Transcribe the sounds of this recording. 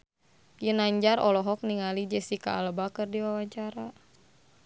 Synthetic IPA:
jənaɲd͡ʒarɔlɔɦɔk̚niŋalid͡ʒɛsika̰ːlbakərdiwawaɲt͡ʃaɾa

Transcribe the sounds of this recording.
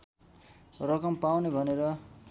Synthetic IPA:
rʌkʌmpawnebʱʌneɾʌ

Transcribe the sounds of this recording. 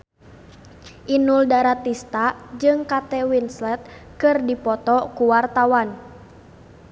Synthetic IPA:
ʔinuldaɾat̪ist̪ad͡ʒɨŋkat̪ɛwinslɛt̪̚kɨrdipɔt̪ɔkuwart̪awan

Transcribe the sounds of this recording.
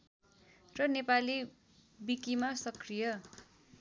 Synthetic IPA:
rʌnepali | bikimasʌkrijʌ

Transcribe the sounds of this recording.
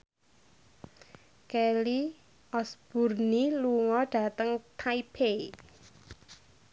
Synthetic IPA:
kɛli | ɔsb̥ṳrniluŋɔɖ̥a̤t̪əŋt̪ʰaipʰe

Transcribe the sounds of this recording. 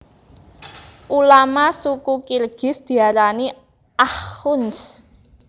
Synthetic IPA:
ʔulamasukukilɡ̥ɪ̤sd̪̥i̤aɾani | ʔahʊns

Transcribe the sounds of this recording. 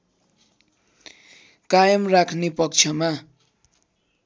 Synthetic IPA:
kajʌmrakʰnepʌk̚t͡sʰʌma

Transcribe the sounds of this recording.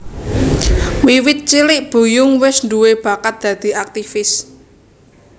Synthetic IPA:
wiwɪt̪̚t͡ʃilɪʔb̥ṳjʊŋwɪsnduweb̥ä̤kat̪̚d̪̥ä̤d̪̥i̤ak̚t̪ifɪs

